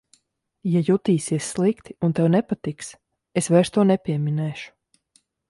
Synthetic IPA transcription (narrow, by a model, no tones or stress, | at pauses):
jajut̪iːsiɛssːlˠikt̪iunt̪ɛwnɛpat̪iks | esvɛːɾʃst̪uɔnɛpʲiɛminɛːʃu̥